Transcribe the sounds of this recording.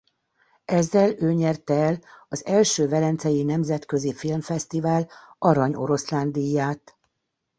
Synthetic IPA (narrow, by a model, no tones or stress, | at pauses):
ɛzːɛløːɲɛrt̪ɛɛlɒzɛlʃøːvɛlɛnt̪sɛjinɛmzɛt̪kø̞zifilmfɛst̪ivaːlɒɾɒɲo̞̰ɾo̞sland̪ijːaːt̪